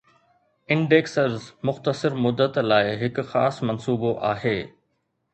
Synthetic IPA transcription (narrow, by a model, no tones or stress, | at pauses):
ɪ̃ɳɖeːksəɾzmʊxt̪əsɪɾmʊd̪ːət̪laːɪɦɪkʊxaːsmɐnsuːboʔa̰ːɦeː